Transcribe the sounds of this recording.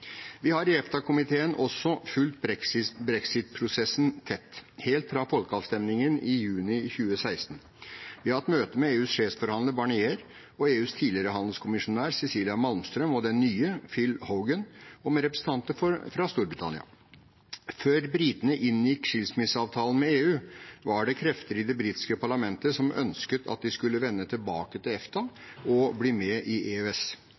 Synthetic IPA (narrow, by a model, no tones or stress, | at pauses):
ʋɪhɑɾɪɛft̪ɑkʰʊmɪt̪ʰeːənʔɔsːɔfʉlt̪̚bɾɛksɪtbɾɛksɪt̪̚pʰɾʊsɛsnt̪ʰɛt̪ːheːlt̪fɾɑfɔlkəɑːʋst̪ɛmnɪŋənɪjʉːnɪçʉːəsæɪst̪n̩ | ʋɪhɑɾt̪møːt̪əmɛeːʉːsʂeːfsfɔɾhɑnd̪əɾbɑɳɪeːɾ | ɔeːʉːst̪ʰiːlɪəɾəɦɑnd̪l̩skʰʊmɪʂʊnæːɾsɛsiːlɪɑmɑlmst̪ɾœmɔd̪ɛnːyːəfɪlhəʊɡənɔmɛɾɛpɾəsn̩t̪ʰɑnt̪əfɔɾfɾɑst̪uːɾbɾɪt̪ʰɑ̰nɪ̰ɑ̰ | føːɾbɾiːt̪nəʔɪnːjɪkːʂɪlsmɪsɑːʋt̪ʰɑːlən̩mɛeːʉːʋɑɖɛkʰɾɛft̪əɾɪd̪ɛbɾiːt̪ɪ̥skəpʰɑɭɑmɛnt̪əsɔmœ̰nskət̪ʰɑ̰t̪̚d̪ɪskʉlːəʋɛnːət̪ʰɪlbɑ̰ːkət̪ʰɪlɛft̪ʰɑɔbliːmɛʔɪʔeːøɛs